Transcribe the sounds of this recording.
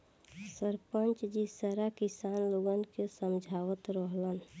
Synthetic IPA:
səɾpənt͡ʃd͡ʒisəɾakisaːnloɡənkesəmd͡ʒʱaʋət̪ɾəɦlən

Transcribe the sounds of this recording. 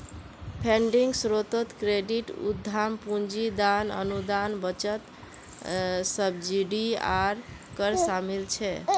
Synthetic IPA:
pʰeɳɖiŋɡsɾot̪ot̪kɾeɖiʈṵd̪ʱːampund͡ʒid̪anə̰nud̪anbət͡ʃət̪ | səbd͡ʒiɖia̰ɾkəɾsamilt͡ʃʰɛ

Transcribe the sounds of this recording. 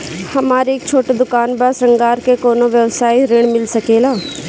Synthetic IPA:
hɐmaːɾeːk̚t͡ʃʰoːʈed̪ʊkaːnbaːsɾɐ̃ŋɡaːɾkekoːnoʋjəwsaːiɾeːɽ̃mɪlsɐkeːlaː

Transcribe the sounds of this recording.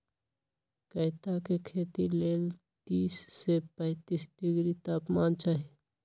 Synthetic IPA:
kəɪt̪akekʰet̪ileːl | t̪iːsːepə̃ɪt̪isɖɪɡɾit̪aːpmaːnt͡ʃaːɦi

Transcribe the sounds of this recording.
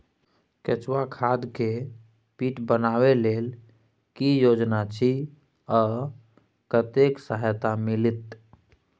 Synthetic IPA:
ket͡ʃwakʰad̪ke | piʈbənaβelel | kijod͡ʒnat͡ʃʰi | ɔː | kət̪eksəɦjt̪amilit̪

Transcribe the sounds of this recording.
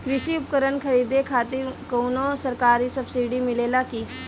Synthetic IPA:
kɾɪʃiʊp̚kəɾənkʰəɾiːd̪ekʰaːt̪ɪɾkownosəɾkaːɾisɐbsiːɖimɪleːlakiː

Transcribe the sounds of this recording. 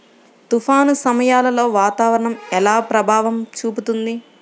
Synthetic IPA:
t̪ufʰaːnusɐmɐjaːlɐlo̞ːʋaːt̪aːʋɐɾɐɳɐmɛlaːpɾɐbʱaːʋɐmt͡ʃuːput̪und̪i

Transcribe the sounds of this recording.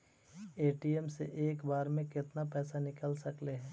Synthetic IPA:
eːʈiɛmsḛʔeːkbaːɾmẽkɪt̪napɛːsanɪkəlsɐkleɦɛ̃ː

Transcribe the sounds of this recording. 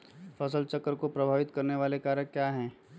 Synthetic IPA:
fɐsəlt͡ʃɐkːəɾkopɾɐbʱaːʋɪt̪kɐɾneʋaːlekaːɾə̃kjaːɦɛ̃ː

